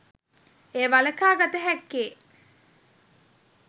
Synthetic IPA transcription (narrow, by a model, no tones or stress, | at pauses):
eːʋaləkaːɡat̪əɦɛkːeː